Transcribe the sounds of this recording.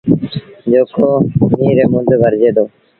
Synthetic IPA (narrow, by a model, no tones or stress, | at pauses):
d͡ʒoːkʰoːmiːɾeːmʊd̪ʱbʱəɾd͡ʒeːd̪oː